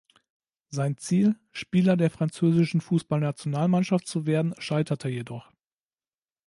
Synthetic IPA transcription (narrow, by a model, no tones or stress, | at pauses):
zaɪnt͡siːl | ʃpiːlɐdeːɐfʁ̥ant͡søːzɪʃn̩fuːsb̥alnat͡sjonaːlmanʃaftt͡suveːɐdn̩ʃaɪtʰɐtʰəjedɔχ